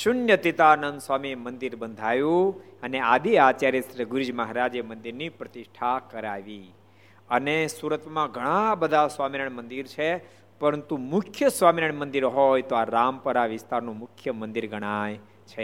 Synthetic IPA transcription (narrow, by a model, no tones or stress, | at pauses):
ʃʊnjət̪it̪anənd̪sʋamimənd̪iɾbənd̪ʱajũənead̪iat͡ʃaɾesɾəɡʊɾid͡ʒməɦaɾad͡ʒemənd̪iɾnipɾət̪ɪʃʈʰakəɾaʋi | ənesuɾət̪mãɡʱəɽ̃ãbəd̪ʱasʋamiɾəɳmə̃nd̪iɾt͡ʃʰe | pəɾənt̪umʊkʰjəsʋamiɾəɳmə̃nd̪iɾɦojt̪oaɾampəɾaʋɪst̪aɾnũmʊkʰjəmə̃nd̪iɾɡʱəɽ̃aj | t͡ʃʰe